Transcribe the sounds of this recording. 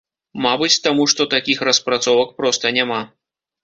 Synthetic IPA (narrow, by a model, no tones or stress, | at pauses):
mabɨt͡sʲt̪amuʂt̪ɔt̪akʲixrɐspɾat̪sɔvɐk̚pɾɔst̪ɐnʲama